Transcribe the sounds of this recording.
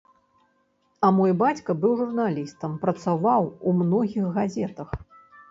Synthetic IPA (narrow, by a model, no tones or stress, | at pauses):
ɐmɔjbat͡sʲkɐbɨwʐurnalʲist̪ɐmpɾɐt̪savawumnɔɣʲixɣazʲɛt̪ɐx